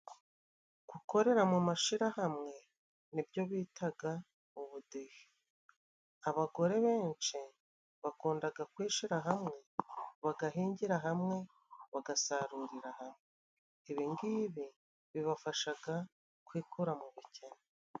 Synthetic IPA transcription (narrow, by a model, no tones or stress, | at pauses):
ɡ̥uko̞ɾe̞ɾamumaʃiɾahamŋe̞ | nibjo̞βiːtʰaɡa | uβudehe̥ | aβaɡo̞ɾe̞βe̞ːnt͡ʃi | βakuːndaɡakwiːʃiɾaɦamŋe̞βaɡaɦiːɲɟiɾaɦamŋe̞ | βaɡasaɾuɾiɾahamŋeː | βiŋɡiːβi | βiβafaʃaɡa | kwiːkuɾamuβicena